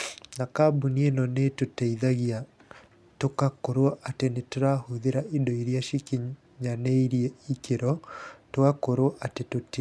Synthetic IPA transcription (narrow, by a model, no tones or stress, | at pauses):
nakabunienɔnetotaiðaɣia | tokakoɾwɔʔatenetoɾahuðeɾaidoiɾjaʃiki | ɲaneiɾieikeɾɔtoakoɾoɔʔatetoti